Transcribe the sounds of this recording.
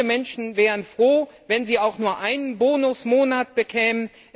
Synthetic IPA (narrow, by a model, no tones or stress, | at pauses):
əmɛnʃn̩vɛːʁ̞ənfʁ̥oːvɛnziːaʊxnuːɐʔaɪnənboːnʊsmoːnat̚b̥əkʰɛːmən | ʔ